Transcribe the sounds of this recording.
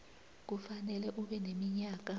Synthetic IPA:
k̬ufanɛlɛʔuɓɛnemiɲaːk̬a

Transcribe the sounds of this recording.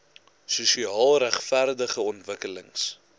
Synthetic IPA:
susiɑːlˠræχfærdəχəɔntvəkələŋs

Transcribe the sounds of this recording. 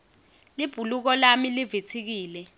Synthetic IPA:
lib̥ʱuluk̬ɔlamilivetʰik̬iːlɛ

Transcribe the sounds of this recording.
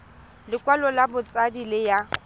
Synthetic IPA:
lɪkʼwalɔlabʊt͡sʼadilɪja

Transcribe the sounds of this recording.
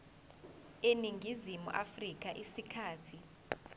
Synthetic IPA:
eniŋɡʱizimṵʔafrik̬ʼaʔisikʰaːtʰi

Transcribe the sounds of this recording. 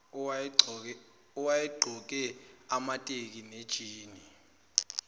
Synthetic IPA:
uwajɛɡ͡ǃʱɔk̬ɛamatʼek̬ined̥ʒ̥ʱiːni

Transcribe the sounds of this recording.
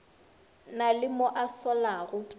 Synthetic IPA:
nalɪmʊʔasɔlaɣʊ

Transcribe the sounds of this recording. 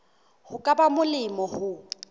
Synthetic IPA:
hʊkʼabamʊlɪmɔhʊ

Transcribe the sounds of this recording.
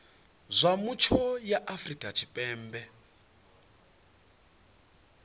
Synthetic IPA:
zʷamut͡ʃʰɔjaʔafrikʼat͡ʃʰipʼɛːmbɛ

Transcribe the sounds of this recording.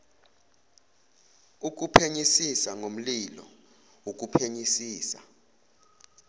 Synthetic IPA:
uk̬upʰeɲisisaŋom̩lilɔ̰ | wuk̬ʼupʰeɲisiːsa̰

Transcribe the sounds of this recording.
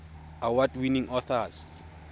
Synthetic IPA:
awadwinĩŋʔɔθas

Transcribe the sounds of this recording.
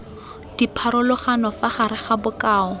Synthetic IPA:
d̥ipʰaɾʊlʊχanɔfaχaɾɪχabʊkʼaːɔ

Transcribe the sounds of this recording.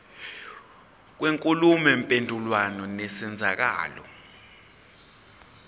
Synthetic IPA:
k̬weŋkʼulumɛmpʼendʱulwanɔnɛsɛnd͡zʱak̬a̰ːlɔ̰

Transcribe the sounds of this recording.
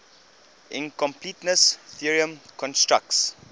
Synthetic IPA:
ʔɪ̰̃nkɔ̃mpʰlitnəsθiəɹiə̃mkʰɔ̃nstɹa̰k̚ts

